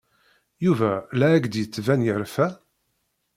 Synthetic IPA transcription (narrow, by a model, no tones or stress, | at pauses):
juvælæːɡd̪jət͡sːvænjəɾfæ